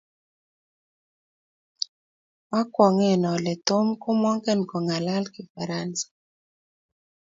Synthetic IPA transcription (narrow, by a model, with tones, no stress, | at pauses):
wa˦kwɔ˨ŋɛ˨nɔ˨lɛ˨t̪o˦mkʊ˦mɔ˦ŋkɛ˦nkɔ˨ŋa˨la˦lkɪ˨fa˨ɾa˦nsḁ˨